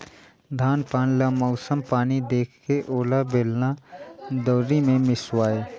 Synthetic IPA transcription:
d̪ʱaːnpaːnlamɔʊsəmpaːnid̪eːkʰkeʔoːlabeːlnad̪ɔːɾimẽmɪswaːeː

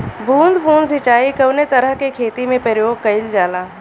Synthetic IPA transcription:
bʱũːnd̪bʱũːnsɪt͡ʃaːikɐʋnet̪ɐɾəɦkekʰeːt̪imẽpɾəɾjoːɡ̚kɐɪld͡ʒaːlaː

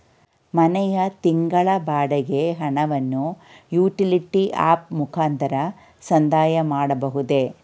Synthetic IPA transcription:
mɐnɛjɐt̪iŋɡɐɭɐbaːɽɐɡe̞ɦɐɳɐʋɐnːujuːʈiliʈiʔa̰ːp̚mukʰaːnt̪ɐɾɐ | sɐnd̪ʱaːjɐmaːɽɐbɐɦud̪e̞

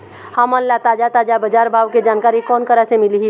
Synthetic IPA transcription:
həmənlat̪aːd͡ʒat̪aːd͡ʒabəd͡ʒaːɾbʱaːʋked͡ʒaːnkaːɾikɔːnkəɾasemɪliɦi

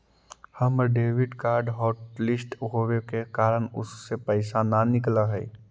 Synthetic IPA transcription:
həməɾɖeːʋɪɖkaːɾɖɦɔːʈlɪsʈɦowekekaːɾəɳʊ̰sːepəɪsananɪklaɦɛ̰ː

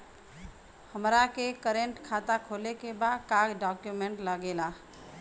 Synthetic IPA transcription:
həmɾakekəɾeɳʈkʰat̪akʰolekebad̪kaɡɖakjumeɳʈləɡela

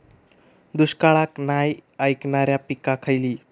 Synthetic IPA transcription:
d̪uskaɭaknajajknaɾjapikakʰajliː

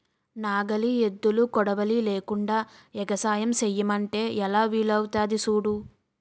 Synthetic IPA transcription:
naːɡɐlied̪ːulukɔɽɐʋɐlileːkuɳɖaːɛɡɐsaːjɐmsejːɐmɐɳʈe̞ːʔɛlaːʋiːlɐwt̪aːd̪isuːɽu

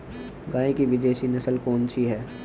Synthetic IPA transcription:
ɡãːẽkiʋɪd̪eːʃinɐsəlkoːnsiɦɛː

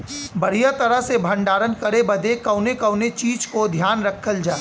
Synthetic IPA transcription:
bɐɽ̤ijat̪ɐɾəɦsebʱɐ̃ɳɖaːɾənkɐɾebɐd̪ekɐʊnekɐʊnet͡ʃiːd͡ʒkod̪ʱjaːnɾɐkʰːəld͡ʒaː

